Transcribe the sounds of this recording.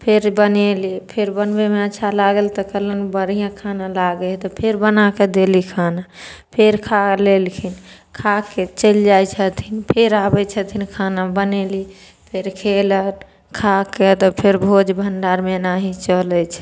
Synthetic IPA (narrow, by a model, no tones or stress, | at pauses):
pʰeɾbənelipʰeɾbənbemeətːʃʰalaɡəlt̪ɔkələnbəɾijãkʰanalaɡet̪ɔpʰeɾbənaked̪elikʰanapʰeɾkʰalelkʰin | kʰaket͡ʃəld͡ʒajt͡ʃʰət̪ʰinpʰeɾabɛt͡ʃʰət̪ʰinkʰanabəneli | pʰeɾkʰelən | kʰaket̪ɔpʰeɾbʱod͡ʒbʱənɖaɾmenaɦit͡ʃəlɛt͡ʃʰ